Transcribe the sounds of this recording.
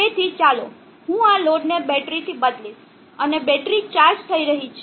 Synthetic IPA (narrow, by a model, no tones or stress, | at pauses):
et̪ʰit͡ʃalo̰ | ɦũaloɖnebɛʈɾit̪ʰibəd̪liʃ | ənebɛʈɾit͡ʃaɾd͡ʒt̪ʰəiɾəɦit͡ʃʰ